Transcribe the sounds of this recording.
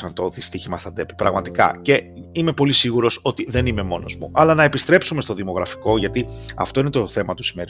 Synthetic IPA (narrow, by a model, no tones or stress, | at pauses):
ɐnt̪o̞ðist̪içimɐsθɐd̪e̞pi̥pɾɐɣmɐt̪ikɐ̰ce̞ime̞po̞lisiɣuɾo̞so̞t̪iðe̞nime̞mo̞no̞̰zmṵʔɐlɐnɐe̞pist̪ɾe̞psume̞st̪o̞ðimo̞ɣɾɐfi̥ko̞ʝɐt̪iɐ̰ft̪o̞inet̪oθe̞mɐt̪usime̞ɾi